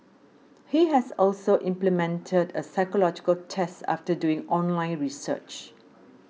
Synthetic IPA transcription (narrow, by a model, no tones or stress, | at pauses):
hiɦɛsɔlsoʔɪ̃mplimɛ̃ntʰədəsaɪkəlɔd͡ʒɪkəltʰɛsta̰ftəduɪ̃ŋɔ̃nlãɪ̃nɹisə̰t͡ʃ